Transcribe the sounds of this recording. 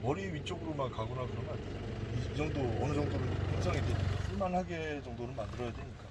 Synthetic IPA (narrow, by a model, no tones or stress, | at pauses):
ʌɾiɥit͡ɕ͈oɡɯɾomakaɡonakɯɾʌmjʌnid͡ʑʌŋdoʌnɯd͡ʑʌŋdonɯnpʰeŋs̬ʰʌŋideɲik͈asuɭmanɦaɡet͡ɕʌŋdonɯnmandɯɾʌjadeɲik͈a